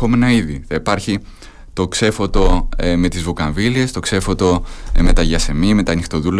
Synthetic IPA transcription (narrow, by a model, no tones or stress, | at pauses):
o̞menɐiðiθɐipɐɾçi | t̪o̞kse̞fo̞t̪o̞me̞t̪izvokɐɱvilie̞st̪o̞kse̞fo̞t̪o̞me̞t̪ɐʝɐse̞mime̞t̪ɐnixt̪o̞ðul